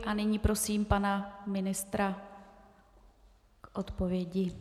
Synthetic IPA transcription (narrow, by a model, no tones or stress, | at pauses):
ʔanɪɲiːpɾo̞siːmpanamɪnɪst̪ɾa | kʔo̞t̪po̞vjɛɟɪ